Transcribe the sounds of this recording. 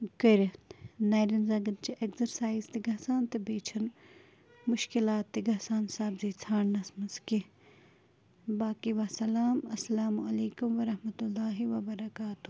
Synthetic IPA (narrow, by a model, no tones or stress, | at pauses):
kɐɾnaːɾɐnzaɡɐnt͡ʃiʔekzɐɾsaːizt̪eɡɐɦsaːnt̪ebeːt͡ʃʰɐn | mʊʃkɪlaːt̪ːiɡɐɦsaːnsaːbzit͡sʰaːɳnɐsmɐski | baːkiʋaːsɐlaːmɐsːɐlaːmuɐleːkʊmʋɐɾɐɦmɐt̪ulːaːɦiʋɐbɐɾɐkaːt̪u